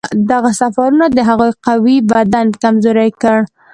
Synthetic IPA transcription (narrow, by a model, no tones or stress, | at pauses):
d̪aɣasafaɾunad̪əɦaɣujqawibad̪ankamzoɾajkəɽ